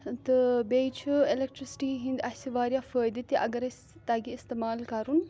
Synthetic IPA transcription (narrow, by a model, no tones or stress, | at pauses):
t̪ɨbejt͡ʃʰuelek̚ʈɾisi̥ʈiːɦĩnd̪ɐsiʋaːɾjafəːjd̪it̪iʔɐɡɐɾɐsʲ | t̪aɡiːst̪emaːlkɐɾun